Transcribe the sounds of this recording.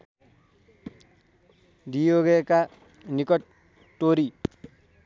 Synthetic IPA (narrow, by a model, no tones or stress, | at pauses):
dijoɡeka | nikʌʈ | ʈːoɾi